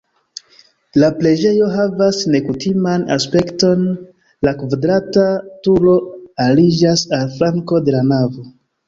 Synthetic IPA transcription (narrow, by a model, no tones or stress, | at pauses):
laple̞d͡ʒe̞jo̞ɦavasne̞kutimana̰spe̞kto̞n | lakvadɾatatulo̞alid͡ʒasalflaŋko̞de̞lanavo̞